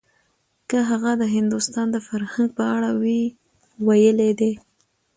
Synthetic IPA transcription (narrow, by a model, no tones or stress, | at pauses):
kəɦaɣad̪əɦɪnd̪ʊst̪ɑnd̪əfaɾhaŋɡ̚pəaɽawi | wajəled̪e